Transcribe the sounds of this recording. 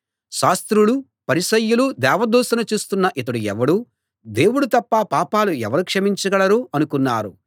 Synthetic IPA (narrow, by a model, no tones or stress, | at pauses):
ʃaːst̪ɾulu | pɐɾisɐjːulud̪ɛːʋɐd̪oːsɐnɐt͡ʃuːst̪unːɐʔit̪̬ɐɽuɛʋɐɽu | d̪e̞ːwuɽut̪ɐpːapaːpaːluɛʋɐɾukʂɐmiɲt͡ʃɐɡɐɭɐɾuːɐnukunːaːɾu